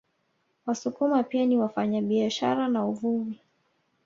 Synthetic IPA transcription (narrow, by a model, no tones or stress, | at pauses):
wasukumapianiwafaɲaɓiaʃa̰ɾanauvuvi